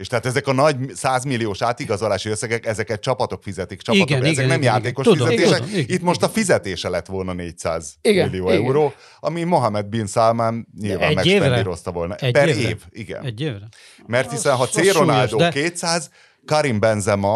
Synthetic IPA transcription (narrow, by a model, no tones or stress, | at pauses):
eːʃt̪ɛɦaːt̪ɛzɛkɒnɒɟsaːzmilːijoːʃaːt̪iɡɒzolaːʃiøsːɛɡɛkɛzɛkɛt̚t͡ʃɒpɒt̪o̞kfizɛt̪ik̚t͡ʃɒpɒtɡok̪ɛzɛknɛmjaːt̪eːko̞ʃizɛeːʃɛkit̪mo̞ʃt̪ɒfizɛt̪eːʃɛlɛt̪ʋo̞lnɒneːcsa̰ːzilːijoːɛuɾoː | ɒmimo̞ɦɒmɛd̪̚binsaːmaːnɲilva̰ːmmːɛkːɛiɾo̞st̪ɒvo̞lnɒpɛɾeːviɡɛ̰n | mɛrt̪hisɛnɦɒt̪seːɾonaːld̪oːkeːt̪saːz | kɒɾimbɛnzɛmɒ